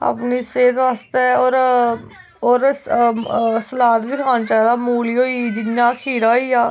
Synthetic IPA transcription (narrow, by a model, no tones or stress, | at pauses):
a̰ːpniːseːt̪ʋaːst̪eːoːɾ | oːɾ | səlaːt̪biːkʰaːnt͡ʃaːd̪aːmuːliːoːiːd͡ʒ̪ɪŋjaːkʰiːɾaːiːaː